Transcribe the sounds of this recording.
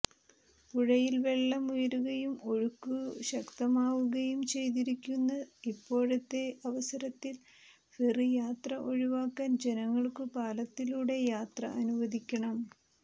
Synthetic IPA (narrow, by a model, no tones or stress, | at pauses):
puɻɐjilʋe̞ɭːɐmujɐɾuɣɐjumo̞ɻukːuɕɐkt̪ɐmaːʋuɣɐjumt͡ɕe̞jt̪̬iɾikʲːunːɐipːo̞ːɻɐt̪ːe̞ɐʋɐsɐɾɐt̪ːil | ferijaːt̪rɐʔo̞ɻiʋaːkːaːnd͡ʑe̞nɐŋːɐɭkɨpaːlɐt̪ːiluːɽe̞jaːt̪rɐ̰ʔɐnuʋɐd̪ʱikʲːɐɳɐm